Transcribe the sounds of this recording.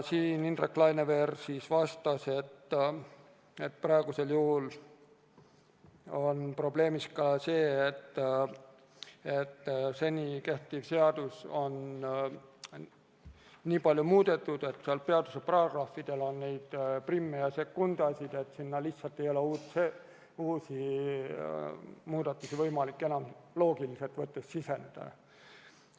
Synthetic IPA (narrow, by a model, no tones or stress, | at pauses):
siːnind̪reklɑjneveːrsiːsvɑst̪ɑse̞t̪ː | et̪̚ːprɑeɡ̥use̞ljuhul | o̞npro̞ble̞ːmiskɑse̞ːet̪ː | et̪ːse̞nʲike̞ht̪ˑivse̞ɑd̪̥uso̞n | iːpɑlʲjomuːd̪̥e̞t̪ːˑud̪e̞t̪seɑlpe̞ɑd̪useprɑɡ̥rɑfːid̪̥e̞lo̞nːejd̪̥primːejɑsekːund̪ɑsʲid̪̥e̞t̪ːˑsinːɑliht̪sɑlt̪ːˑe̞jo̞leuːt̪se | uːsi | muːd̪̥ɑt̪ːˑusivɤjmɑlikːe̞nɑmlo̞ːɡilise̞lt̪vɤt̪ːˑesːisend̪̥ɑ̰